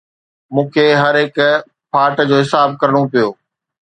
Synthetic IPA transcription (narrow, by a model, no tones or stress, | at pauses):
mũːkʰeɦɐɾɦɪːk | pʰaːʈd͡ʑoːɦɪsaːb̚kɐɾəɽ̃opijoː